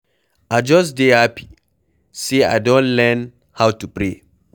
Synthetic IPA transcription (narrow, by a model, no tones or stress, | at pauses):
ʔad͡ʒɔs̬deapi̥ | sea̰jdɔ̃nlɛn | hawtupɾe